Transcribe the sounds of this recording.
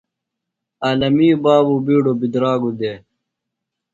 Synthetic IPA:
aːlɐmiːbaːbubiːɖobid̪ɾaːɡud̪e

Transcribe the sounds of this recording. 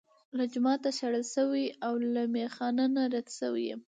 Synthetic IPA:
lad͡ʒʊmɑt̪aʃaɽəlsəwiawlamexɑnanaɾad̪səwḭjḛ

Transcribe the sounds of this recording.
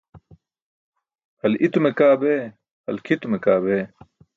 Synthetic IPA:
hɐlit̪umekaːbeː | hɐlkʰit̪umekaːbeː

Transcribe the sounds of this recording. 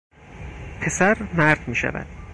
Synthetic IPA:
pʰe̞sæɾmæɾd̪miːʃæ̰væ̰d̪̥

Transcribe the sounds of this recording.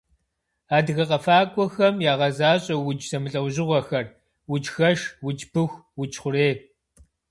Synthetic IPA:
aːdɨɣɐqʼɐfaːkʷʼɔxɐmjaːʁɐzaːɕʼɐwʊd͡ʒsɐmɨɬʼɐwʑɪʁʷɔxɐr | wʊd͡ʒxɐʂwʊt͡ʃpʰɨxʷwʊt͡ʃʰʼχʷʊɾeː

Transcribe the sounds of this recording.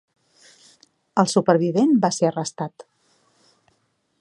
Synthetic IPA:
əlˠsupəɾβiβenbaseərəst̪at̪

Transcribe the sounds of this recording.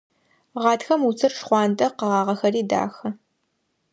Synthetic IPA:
ʁɑːtxɐmut͡sʰɨrʂχʷɑːntʼɐqəʁɑːʁɐxɐɾiːda̰ːxɐ

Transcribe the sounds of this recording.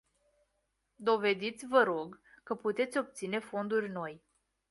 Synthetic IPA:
d̪o̞ve̞d̪it̪sʲvəɾo̞ɡ | kəput̪e̞t̪sʲo̞p̚t̪sine̞fo̞nd̪urʲno̞j

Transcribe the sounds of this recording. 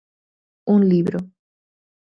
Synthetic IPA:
unliβɾo

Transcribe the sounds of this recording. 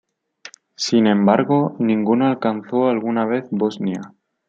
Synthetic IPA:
sinẽ̞mbaɾɣo̞nĩŋɡunoalkanθo̞alɣunaβ̞e̞θboznja

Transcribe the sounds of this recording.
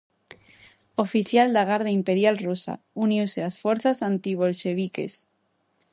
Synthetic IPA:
ofiθjald̪aɣaɾðaimpeɾjalrusa̰ | unjuselasfwe̞ɾθasant̪iβ̞o̞lʃe̞β̞ikḛs

